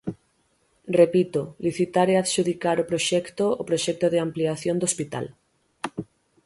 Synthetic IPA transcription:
repit̪oliθit̪aɾeaðʃuðikaɾopɾoʃɛkt̪oːpɾoʃɛk̚t̪oðeampliaθjond̪ospit̪a̰l

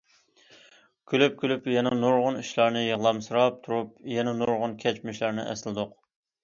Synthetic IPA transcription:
kʲʰylyp̚kʲylypjɛnɛnoɾʁʊniʃlˠɑɾnɨjəʁlˠɑmsɨɾɑp̚t̪ʰuɾupjɛnɛnoɾʁʊnkʲʰɛt͡ʃmɪʃlæɾnɪ̰ʔɛ̰slɨd̪ʊq

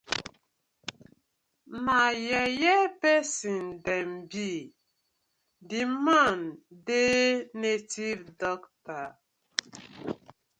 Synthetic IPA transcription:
majɛjɛpɛsindɛmbi | dimandenetivdɔkta

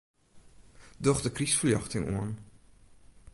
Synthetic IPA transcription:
dɔχdəkrisfəljɑ̰χtɪŋṵən

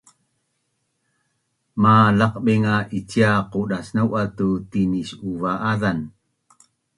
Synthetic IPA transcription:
malaqɓiŋaʔit͡ɕiaquɗasnawʔatutinisuvaʔaðan

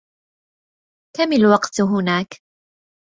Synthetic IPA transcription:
k̪amɪlwɑqt̪ɦʊnaːk

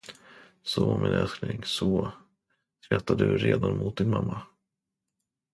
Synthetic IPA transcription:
sɔmɪnœsknɪŋsɔ | sɾɛt̪ːad̪ɵɾeːd̪anmʊt̪̚d̪ɪnmamːa

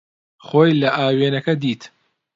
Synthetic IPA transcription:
χoːjlɐʔaːweːnɐkɐd̪iːt̪

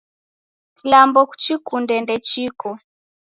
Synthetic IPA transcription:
lambɔku̥t͡ʃikundɛndɛt͡ʃikɔ

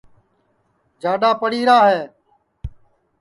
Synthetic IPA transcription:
d͡ʒaːɗaːpəɽiːɾaːɦeː

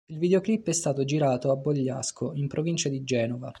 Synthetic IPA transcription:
ilvid̪eoklipːɛst̪aːt̪od͡ʒiɾaːt̪oabːoʎːaskoimpɾʔovint͡ʃad̪id͡ʒɛːnova

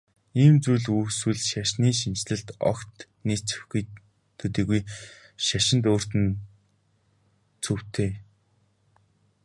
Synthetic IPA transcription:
iːmt͡sujɮuːswɘ̆ɮʃaʃniːʃint͡ɕɮɘ̆ɬt̪ɔ̰kt̪ | niːt͡sɵ̥̆xɡuj | t̪ʰɵt̪iːɣuj | ʃaʃɪ̆nt̪oːr̥t̪ɘ̆n | t͡sʰɵw̥t̪ʰeː

